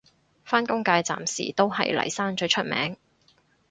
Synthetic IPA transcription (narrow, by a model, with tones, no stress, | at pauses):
faː˥nkʊ˥ŋkaː˧jt͡sa̰ː˨msḭː˨˩t̪o˥wɦɐ̰˨jlɐ̰˨˩jsaː˥nt͡ʃɵ˧jt͡ʃʰɵ˥t̚mɛ̰ː˨˥ŋ